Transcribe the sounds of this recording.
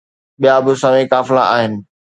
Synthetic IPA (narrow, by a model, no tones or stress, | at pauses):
ɓijabʊsãmẽkaːflaʔaːɦɪnɪ̆